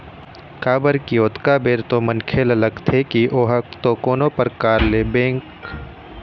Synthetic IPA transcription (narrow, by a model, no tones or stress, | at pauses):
kaːbəɾkioːt̪kaːbeːɾt̪omɐnkʰeːlɐləɡt̪ʰekiʔoːɦɐk̚t̪okoːnopɐɾkaːɾleːbẽːŋk